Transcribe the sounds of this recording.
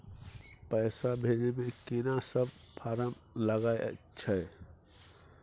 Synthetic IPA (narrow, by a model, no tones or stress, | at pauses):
pəjsabʱed͡ʒemẽkinasəb̚pʰaɾəmləɡaeʔə̰ | t͡ʃʰəj